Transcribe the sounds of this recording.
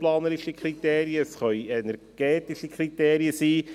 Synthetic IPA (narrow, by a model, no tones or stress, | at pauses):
plɑːnəɾɪʃikʰrit̪eːɾjəsχœʏɛnɛɾɡ̥ɛːtɪʃikʰrit̪eːɾiəsiː